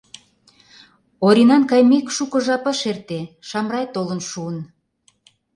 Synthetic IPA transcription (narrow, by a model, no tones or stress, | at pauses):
oɾʲinɑnkɑjmekʃukɤ̆ʒɑpə̆ʃert̪eʃɑmrɑjt̪olə̆nʃuən